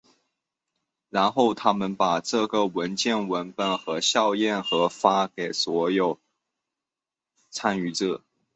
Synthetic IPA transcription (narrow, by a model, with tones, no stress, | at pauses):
ɻa˧˥nxo˥˩ʊt̪ʰa˥mə˨npa˨˩ʈ͡ʂɤ˥˩ɡə˨˩wə˧˥nt͡ɕjɛ˥˩nwə˧˥npə˨˩nxɤ˧˥ɕjɑ˥˧ʊjɛ˥˩nxɤ˧˥fa˥ke˨˩ɪswɔ˧˥jo˨˩ʊ | t͡sʰa˥ny˧˥ʈ͡ʂ̩˥˩